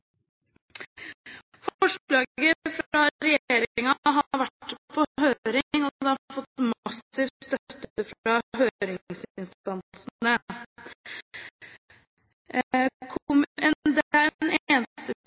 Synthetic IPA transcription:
fɔʂlɑːɡəfɾɑɾɛjeːɾɪɪŋɑɦɑɾʋæʈːpʰɔɦøːɾɪŋɔd̪ɛɑfɔt̪ːmɑsɪʋtst̪œt̪ːəfɑɦøːɾɪŋsɪnst̪ɑnsəə | kʰɔmɛnd̪æɾneːnst̪ə

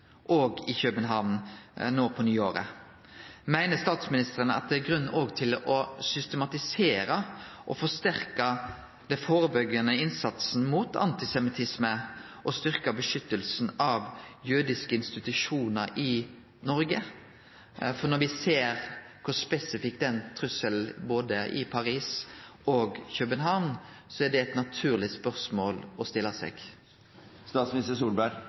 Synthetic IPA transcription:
ʔoːɡɪçœbənɦɑʋnnoːpʰɔnyːoːɾə̰ | mæɪnəst̪ɑːt̪smɪnɪst̪əʁənəɑ̰t̪̚d̪ɛæɾɡɾʉnːoːɡt̪ʰɪlɔsʏst̪ɛmɑt̪ɪseːɾəʔɔfɔst̪æɾkɑ | d̪ɛfoːʁəbœɡənəɪnsɑt̪sn̩muːt̪ʰɑ̰nt̪ɪsɛmɪt̪ʰɪsmə | ʔɔst̪ʏɾkɑbəʂʏt̪ːəlsn̩ɑʋjʉɾd̪ɪskəɪnst̪ɪt̪ʉʂuːnəɾʔɪ | nɔɾɡə | fɔnɔɾʋɪseːɾkʰʊspɛsɪfɪkt̪ɛnt̪ʰɾʉsəlboːd̪əʔɪ̰pʰɑɾiːsoːɡçœpənɦɑʋn | sɔæɖɛɛt̪nɑt̪ʰʉːʁlɪspœʁsmoːlɔst̪ɪlːɑsɛ̰ɡ̥ | st̪ɑːt̪smɪnɪst̪əsuːlbæɾ

